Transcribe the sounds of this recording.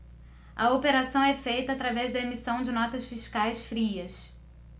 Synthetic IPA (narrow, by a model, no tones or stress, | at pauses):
ɐopeɾasɐ̃w̃ɛfejt̪ɐːt̪ɾavɛzd̪ɐemisɐ̃w̃d͡ʒɪnɔt̪ɐsfiʃkajsfɾiɐs